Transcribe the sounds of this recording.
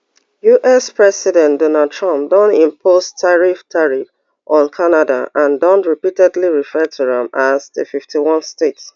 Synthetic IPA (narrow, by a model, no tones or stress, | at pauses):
juʔɛspɹɛsidɛ̃ndɔnald̚tʰɹɔ̃mp̚dɔ̃ntĩmpʰostʰaɹiftʰaɹif | ʔɔ̃nkʰanada̰ʔãndɔ̃ntɹipitɛdliɹifɛtʰuɾɛ̃mazðə̰fiftʰiwɔ̃nstets